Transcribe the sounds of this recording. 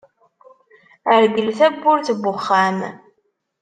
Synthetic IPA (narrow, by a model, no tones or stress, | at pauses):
əɾɡəlθæbːʊɾθbʊχːæm